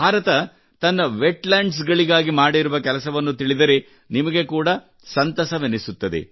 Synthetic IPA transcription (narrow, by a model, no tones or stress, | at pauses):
bʱaːɾɐt̪ɐ | t̪ɐnːɐʋeʈlaːɳɖs̬ɡɐɭiɡaːɡimaːɽiɾuʋɐkɛlɐsɐʋɐnːut̪iɭid̪ɐɾe̞ | nimɐɡe̞kuːɽɐ | sɐnt̪ɐsɐʋenesut̪ːɐd̪ḛ